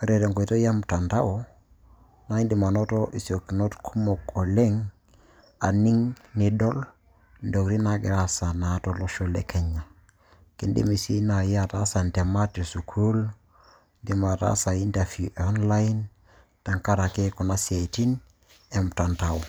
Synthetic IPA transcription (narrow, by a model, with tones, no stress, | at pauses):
ɾe˨ɾe˨ŋko˨i˨to˦ja˦mta˨nta˦wo˨ | na˦i˦ndi˨ma˨no˦to˦ʔi˨si˨o˨ki˨no˦tkʰu˦mo˨ko˨le˦ŋ | a˨ni˦ŋni˨dɔ˦l | ndo˨kɾi˦na˦ɡi˨ɾa˦sa˨na˨˦to˦lo˦ʃo˦lḛ˨ke˨ɲa˨ | ki˨ndḭ˦mi˨si˦na˨ja˦ta˦sa˨nte˨ma˦tːe˨su˨kʰu˦l | di˨ma˨ta̰˦sa˨i˦nta˨fu˨ʔo˦nla˦in | ta˨ŋka˦ɾa˨ke˦ko˨na˦sie˨ti˦n | e˨m˨ta˨nta˨o˨